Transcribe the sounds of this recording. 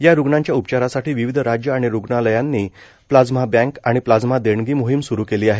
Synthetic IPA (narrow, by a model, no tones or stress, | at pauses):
jaɾuɡɳãɲt͡ɕjaupt͡ɕaɾasaʈiːʋiʋid̪ʱɾad͡ʑjəaɽ̃iɾuɡɳaləjãnːiː | plad͡zm̤abæ̃ŋkaɽ̃iplad͡zm̤ad̪eɳɡiːmoɦimsuɾuːkeliːaɦe